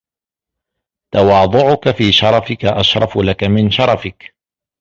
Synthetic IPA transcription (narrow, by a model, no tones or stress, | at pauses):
t̪ɑwɑːd̪ˤʊʕʊkafiːʃɑɾˤɑfɪkaʔaʃɾˤɑflakamɪnʃɑɾˤɑfɪk